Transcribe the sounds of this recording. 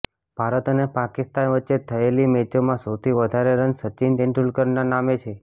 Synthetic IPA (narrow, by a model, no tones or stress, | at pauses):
b̥ʱaɾət̪ənepakɪst̪anʋətːʃːet̪ʰəelimed͡ʒomãsəwt̪ʰiʋəd̪ʱaɾeɾənsət͡ʃint̪eɳʈulkəɾnanamet͡ʃʰe